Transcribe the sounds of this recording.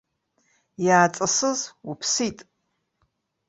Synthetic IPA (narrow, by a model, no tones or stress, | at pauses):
jaːt͡sʼɐsɨzupʰsitʼ